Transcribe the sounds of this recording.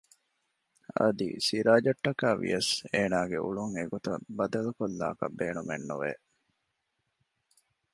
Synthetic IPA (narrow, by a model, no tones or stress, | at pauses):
ɐd̪ḭsiɾaːd͡ʒɐʈːɐkaːʋḭjɐseːnaːɡeʔuɭuŋeɡot̪ɐbɐd̪ɐlukolːa̰ːkɐ̰beːnumenːuʋḛ